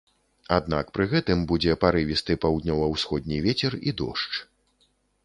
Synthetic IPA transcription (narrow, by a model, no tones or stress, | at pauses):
ad̪na̰kpɾɨɣɛt̪ɨmbud͡zʲɛpaɾɨvʲist̪ɨpawd̪nʲɔvɐwsxɔd̪̚ʲnʲivʲɛt͡sʲɛrid̪ɔ̰ʂt͡ʂ